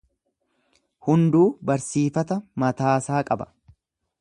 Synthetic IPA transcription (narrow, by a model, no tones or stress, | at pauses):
hʊnd̪uːbɐɾsiːfɐt̪ɐmɐt̪aːsaːkʼɐbɐ̥